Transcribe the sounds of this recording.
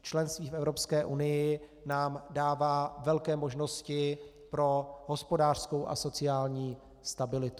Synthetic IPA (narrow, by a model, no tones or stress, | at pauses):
t͡ʃlɛnst̪viːfɛvɾo̞pskɛːʔunɪjɪ | naːmdaːvaːvɛlkɛːmo̞ʒno̞scɪ | pɾo̞ɦo̞spo̞daːr̥sko̞wʔa̰so̞t͡sɪaːlɲiː | st̪abɪlɪt̪u